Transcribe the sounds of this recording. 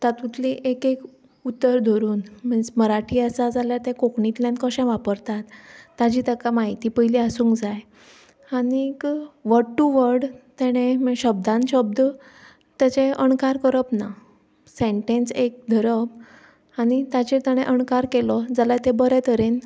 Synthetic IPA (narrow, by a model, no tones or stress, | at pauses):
t̪at̪ut̪liʔekek | ut̪ːəɾd̪ʱoɾuːnməɳd͡zməɾaʈʰiːəsad͡zaljaɾt̪ɛ̃kokɳit̪ljãnt̪kəɕɛ̃ʋapəɾt̪at̪ːad͡ʑit̪əkamaɦit̪iːpəɦiliasuːŋkd͡zaj | aɽikʋəʈːuʋəɾɽt̪ɛɽ̃ẽmɕəb̚d̪ʱãnɕəb̚d̪ | t̪jat͡ɕẽəɳkaɾkəɾəpna | sẽɳʈẽnsek̚d̪ʱəɾəb | anit̪at͡ɕet̪aɽ̃ẽʔəɳkaɾkelɔd͡zalajt̪ẽbəɾɛt̪əɾen